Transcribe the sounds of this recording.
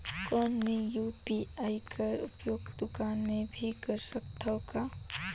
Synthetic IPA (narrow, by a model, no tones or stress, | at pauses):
kɔːnijupiaːikəɾʊ̰pjoːɡd̪ʊkaːnmẽbʱikəɾsək̚t̪ʰɔka